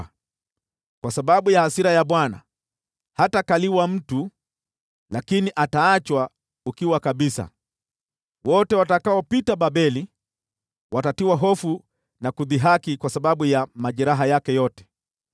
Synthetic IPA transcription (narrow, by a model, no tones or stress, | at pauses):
kwasaɓaɓujahasiɾajaɓwana̰ | hatakaliwam̩tu | lakiniʔataat͡ʃwa | ukiwakaɓisa̰ | wɔtɛwatakaɔpitaɓaɓɛli | watatiwaɦɔfu | nakuðiɦakikwasaɓaɓujamaʄɛɾaɦajakɛjɔtɛ̥